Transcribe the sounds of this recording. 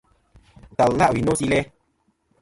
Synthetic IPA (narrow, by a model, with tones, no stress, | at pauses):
ta˨la˦ʔwi˨no˦si˧lɛ˦